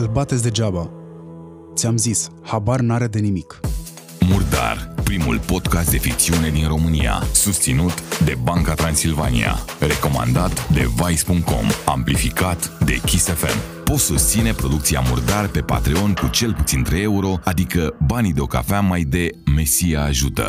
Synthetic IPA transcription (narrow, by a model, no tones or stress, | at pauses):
ɨlbat̪et̪sʲd̪ed͡ʒaba | t̪sʲamzis | habarnaɾe̞d̪e̞nimik | murd̪a̰rpɾimṵlpo̞d̪kast̪d̪efik̚t̪siune̞d̪inro̞mɨnia̰sust̪sinut̪d̪e̞baŋkat̪ɾansilva̰nḭa̰ | re̞ko̞ma̰nd̪at̪d̪e̞̰vajspuŋk̚t̪̚ko̞̰ma̰mplifikat̪d̪e̞̰kʲisefe̞̰m | po̞t̪sust̪sine̞pɾo̞d̪ukt̪sia̰murd̪arpe̞pa̰t̪ɾio̞nʲkut͡ʃe̞lput̪sint̪ɾejeuɾo̞ad̪ikəbanid̪eo̞ka̰famajd̪e̞me̞siaːʒut̪ə̰